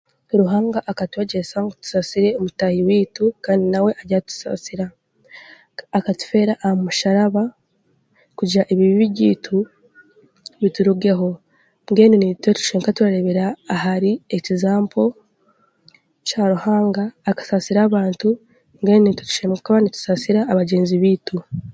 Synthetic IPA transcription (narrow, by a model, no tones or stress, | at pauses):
ɾuɦaːŋɡaʔakatweɟesaŋɡotu̥sasiɾe̞omutahiwiːtukaːndinawe̞ʔaɟatu̥sa̰siɾa | katu̥fe̞ːɾaʔahamuʃaɾaβa | kuɟaʔeβiβiβiɟiːtʰu | βituɾuɡeɦo̞ | ŋɡe̞ːninitwetu̥ʃeːŋkatuɾaɾe̞βeɾaːhaɾiecizaːmpʰo̞ | caːɾuhaːŋɡaːkḁsasiɾaːβaːntu | ŋɡenenitutu̥ʃeːmkaβanitu̥sasiɾaːβaɟe̞ːnziβiːtu